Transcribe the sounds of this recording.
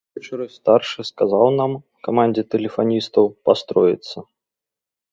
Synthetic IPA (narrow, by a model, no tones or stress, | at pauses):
vʲɛt͡ʃɨɾɨst̪arʂɨskazawnam | kamanʲd͡zʲɛt̪ɛlʲɪfanʲist̪ɐwpast̪ɾɔjɪ̰t̪sːɐ